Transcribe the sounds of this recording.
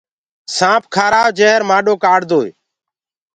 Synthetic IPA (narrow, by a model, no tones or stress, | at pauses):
sãːp̚ʰkʰaːɾaːʋd͡ʒeːɦɾmaːɗoːkaːɽd̪oːḛː